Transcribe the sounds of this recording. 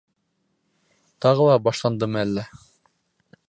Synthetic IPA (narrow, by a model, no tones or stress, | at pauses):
t̪ɑʁɤlˠɑbɑʃlˠɑnd̪ɤmɤælːæ